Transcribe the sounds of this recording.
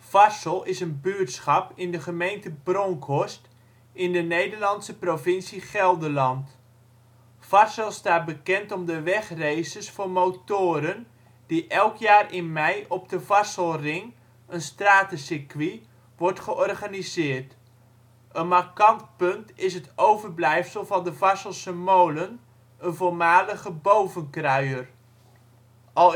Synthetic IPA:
fasəlˠɪsənbyətsχɑpɪndəχəmejntəbrɔŋkʰɔst | ɪndənejdərlɑntsəprovɪnsiχɛlˠdəlɑnt | fasəlˠstaːt̚bəkɛntɔmdəʋɛχrejsəsfʊːmowtoːɾən | diʔɛlˠkjaːrɪnmɛjɔb̚dəvɑsəlˠrɪŋ | ənstraːtəsɪkʋi | ʋɔɹtχəʔɔrχanizɪːrt | ʔənmarkɑntpɵntɪsətowvərblɛjfsəlˠvɑndəvɑsəlˠsəmowlən | ənvolˠmaːləχəbowvənkrœɥər | ʔɑ

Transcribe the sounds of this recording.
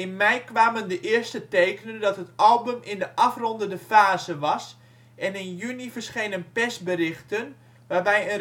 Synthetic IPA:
ɪnmɛjkʋaːməndəʔɪəstətejkənəndɑtɦətɑlˠbəmɪndəʔɑfrɔndəndəfaːzəʋɑs | ʔɛnɪnjynifərsχejnənpɛsbəɾɪxtən | ʋaːbɛjə

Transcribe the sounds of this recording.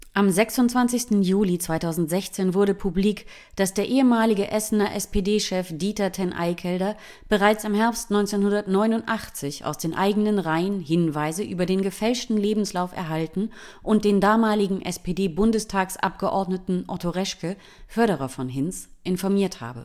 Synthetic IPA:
ʔamzɛksʊntt͡sv̥ant͡sɪçstn̩juːlit͡sv̥aɪtʰaʊzn̩tz̥ɛçt͡seːnvʊɐdəpʰubliːk | d̥asd̥eːɐʔeːəmaːlɪɡəʔɛsn̩ɐʔɛspʰeːdeːʃɛfd̥iːtɐtʰɛnʔa̰ɪkʰɛldɐ | b̥əʁaɪt͡sɪmɦɛɐpstnɔʏnt͡seːnhʊndɐtnɔʏnʊntʔaχt͡sɪça̰ʊsd̥eːnʔaɪɡənənʁaɪənhɪnvaɪzəʔyːbɐdeːnɡəfɛlʃtn̩leːbm̩slaʊfɛ̰ɐɦaltn̩ | ʔʊnt̚d̥eːndaːmaːlɪɡŋ̩ʔɛspedeːbʊndəstʰaːksʔa̰p̚ɡ̥əʔɔɐdnətn̩ʔɔtʰoʁɛʃkə | fœɐɾəʁɐfɔnɦɪnsʔɪnfɔɐmiːɐtha̰ːbə̰

